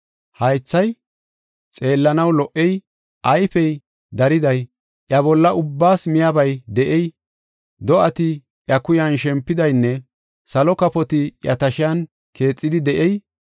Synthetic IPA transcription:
hɐjt͡sːɐj | t͡sʼe̞ːlːɐnɐwlɔʔɛj | ʔɐjfɛj | d̪ɐɾɪd̪ɐj | ʔjɐβɔlːɐʔʊbːaːsmɪjabɐjd̪ɛʔɛj | d̪ɔɐt̪ɪ | ʔjɐkʊjɐnʃɛmpːɪd̪ɐjnːɛ | sɐlɔkɐpɔt̪ɪjɐt̪ɐʃɪjɐn | kʰe̞ːt͡sʼːɪd̪ɪd̪ɛʔɛj

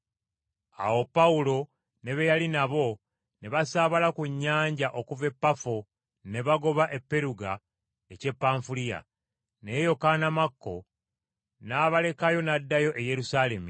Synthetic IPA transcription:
a̰wo̞pːaulo̞ | ne̞βejalinaβo̞ | ne̞βasaβalakuɲːaːɲɟaʔo̞kuve̞pːafo | ne̞βaɡo̞βaʔe̞pːe̞ɾuɡa | ece̞pːaːɱfulija̰ | ne̞ːjo̞kanamakːo̞̰ | naːβale̞kajo̞nadːajo̞ʔeje̞ɾusale̞mi

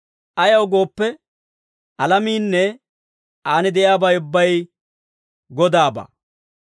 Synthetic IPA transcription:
ʔɐjɐwʊɡo̞ːpːɛ | ʔɐlɐmiːnːɛ | ʔaːnɪd̪ɛjaːbɐjʊbːɐj | ɡɔd̪aːba̰ː

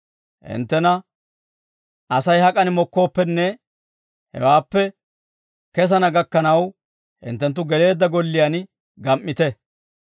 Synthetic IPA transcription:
hɪ̰nt̪ːɛnɐ | ɐsɐjhɐkʼɐnɪmɔkːo̞ːpːɛnːɛ | hɛ̰waːpːɛ | kɛs̬ɐnɐɡɐkːɐnɐw | hɪ̰nt̪ːɛnt̪̬ːʊɡɛle̞ːd̪ːɐɡɔlːɪjan | ɡɐmʔːɪt̪ɛ

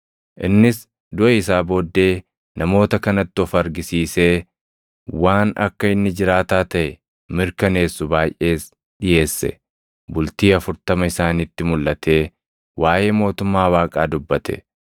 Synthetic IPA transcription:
ʔɪ̰nːɪs | d̪ʊʔɐɪs̬aːbo̞ːd̪ːe̞ː | nʔɐmo̞ːt̪ɐkɐnɐt̪ːɪɔfɐɐɾɡɪsiːse̞ː | waːnɐ̰kːɐɪnːɪd͡ʒɪɾaːt̪aːt̪ɐʔɛ | mɪɾkɐne̞ːsːʊbaːjʔe̞ːs | ɗɪje̞ːsːɛ̰ | bʊlt̪iːɐfʊɾt̪ɐmɐɪsaːnit̪ːɪmʊlʔɐt̪ʰe̞ː | waːje̞ːmo̞ːt̪ʊmːaːwaːkʼaːd̪ʊbːɐt̪ʰɛ̰

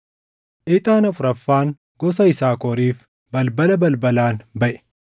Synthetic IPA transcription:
ʔɪt̪ʼaːnɐfʊɾɐfːaːŋ | ɡ̥ɔsɐɪsaːkɔːɾiːf | bɐlbɐlɐbɐlbɐlaːnbɐʔɛ̥

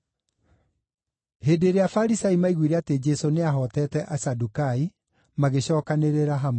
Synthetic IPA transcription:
heːdeɾeafaɾisaimaiɣwiɾɛated͡ʒɛsoneaɦɔtɛːtɛʔasadukai | maɣeɕɔːkaneɾeɾaɦamo

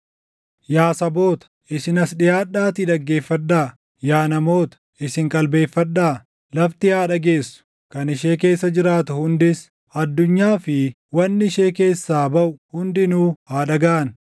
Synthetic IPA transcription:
jaːsɐbo̞ːt̪ɐ̥ʔɪsɪnɐsɗɪjaːᶑːaːt̪ɪᶑ̪ɐɡːe̞ːfːɐᶑːaː | jaːnɐmo̞ːt̪ɐ̥ʔɪsɪŋkʼɐlbe̞ːfːɐᶑaː | lɐft̪ɪhaːᶑɐɡe̞ːsːʊ̥ | kɐnɪʃ̬e̞ːk̬e̞ːsːɐd͡ʒɪɾaːt̪ʊhʊnd̪ɪs | ɐd̪ːʊɲːaːfɪ | wɐnːɪɪʃe̞ːke̞ːsːaːbɐʔʊhʊnd̪ɪnuːhaːᶑɐɡaːʔɐn

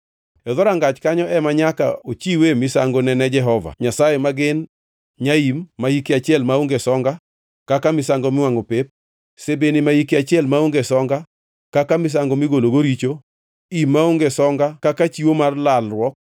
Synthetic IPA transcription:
ɛðɔɾaŋɡat͡ʃkaɲɔʔɛmaɲaka̰ot͡ʃiwemɪsaŋɡonɛnɛd͡ʒɛɦɔva̰ɲasajemaɡɪn | ɲaimːaikeat͡ʃɪɛlmaoŋɡesɔŋɡa | kakamɪsaŋɡomɪwaŋopep̚ | sebenimaikɪat͡ʃɪɛlmaoŋɡesɔŋɡa | kakamɪs̬aŋɡomɪɡoloɡoɾit͡ʃo | imːaoŋɡesɔŋɡakakat͡ʃiwomarlalrwɔk̚

